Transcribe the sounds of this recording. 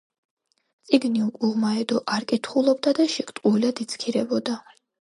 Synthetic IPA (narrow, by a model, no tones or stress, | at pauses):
t̪sʼiɡniukʼuʁmaɛd̪ɔʔaɾkʼit̪ʰχulˠɔb̚d̪ad̪aʃikt̪ʼuilad̪it̪sʰkʰiɾɛbɔd̪a